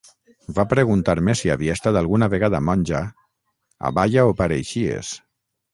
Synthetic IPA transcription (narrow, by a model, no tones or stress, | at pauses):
vapɾeɣunt̪aɾmesiaβiest̪at̪alˠɣunaβeɣaðamɔnʲʒa | a̰βaʎaopaɾejʃiḛs